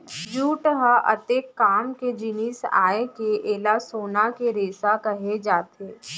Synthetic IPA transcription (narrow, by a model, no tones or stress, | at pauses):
d͡ʒuːʈɦaʔɐ̰t̪eːkːaːmked͡ʒinisa̰ːekeʔeːlasoːnakeɾeːsakɐɦed͡ʒaːt̪eː